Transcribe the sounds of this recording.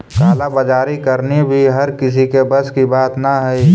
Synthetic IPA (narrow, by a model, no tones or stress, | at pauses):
ɡaːlabɐd͡ʒaːɾikɐɾnibʱiɦɐɾkɪs̬ikebəskibaːt̪naɦɛi